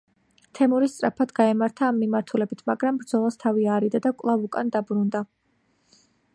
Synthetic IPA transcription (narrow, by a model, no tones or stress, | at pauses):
t̪ʰɛmuɾist̪sʼɾapʰad̪ɡaɛmaɾt̪ʰaːmːimaɾt̪ʰulɛbit̪ʰmaɡɾambɾd̪zɔlˠast̪ʰaviaːɾid̪ad̪akʼlˠavukʼand̪abɾund̪a